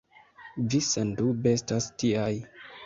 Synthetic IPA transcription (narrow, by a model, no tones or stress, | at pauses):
visendubestastiaj